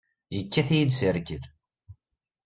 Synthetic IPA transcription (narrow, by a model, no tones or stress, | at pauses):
jəkːæθijid̪səɾkəð